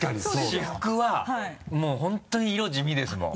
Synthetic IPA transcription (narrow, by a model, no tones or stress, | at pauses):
kaɲiɕihɯkɯ̟βahamoːɦõ̞nt̪oɲ̟iːɾo̞ʑimʲid̪e̞sɨmõ̰